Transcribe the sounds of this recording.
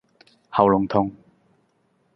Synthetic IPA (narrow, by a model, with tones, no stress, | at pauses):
hɐ˨˩wlʊ˨˩ŋt̪ʰʊ˨ŋ